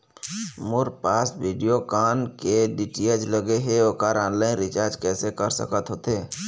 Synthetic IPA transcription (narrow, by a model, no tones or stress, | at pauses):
mʊɾpaːsbiːɖijokaːnkeɖiʈied͡ʒləɡeɦeokaːɾãːnlaːɪnɾɪt͡ʃaːɾd͡ʒkɛːsekəɾsə̰kət̪ɦoːt̪eː